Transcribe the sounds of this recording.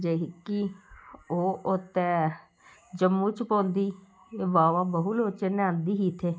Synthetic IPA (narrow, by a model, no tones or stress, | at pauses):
d͡ʒeɦɪkːi | oːʔʊt̪ːɛ̃ː | d͡ʒəmːũːt͡ʃpõːnd̪iː | eːʋaːʋãːbəɦuloːt͡ʃənãːnd̪iːɦiːt̪ʰeː